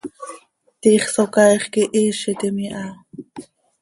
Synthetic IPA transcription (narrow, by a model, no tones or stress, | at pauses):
t̪iχsokɑjχkiʔiʃit̪imiʔa